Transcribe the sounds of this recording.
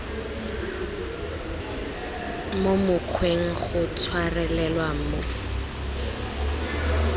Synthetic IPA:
momʊkʰweŋ̩χʊt͡sʰwarɛlɛlwamo

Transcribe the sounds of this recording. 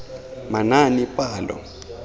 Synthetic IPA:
mananipʼaːndɔ̰

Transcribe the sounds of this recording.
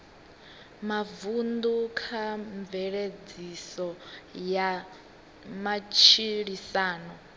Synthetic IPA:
mavund̪ukʰaɱvɛɺed͡zisɔja | mat͡ʃʰiɺisaːnɔ

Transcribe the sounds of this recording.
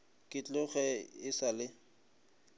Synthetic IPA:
kʼɪt͡ɬʼʊχɛɪsalɪ

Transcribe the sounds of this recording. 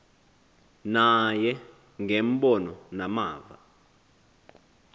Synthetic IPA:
najɛ | ŋɡemɓɔnɔnamaːva̰

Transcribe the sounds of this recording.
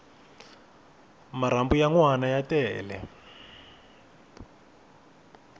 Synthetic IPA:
maɾambujaŋwanajatɛːlɛ̰

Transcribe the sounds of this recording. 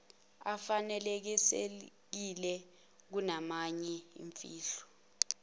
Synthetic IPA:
afanɛlek̬ise | k̬ilɛ | k̬unamaɲɛḭɱfiːɬɔ̥

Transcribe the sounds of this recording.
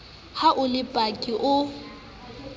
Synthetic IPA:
haʔʊlɪpʼakʼiʔʊ

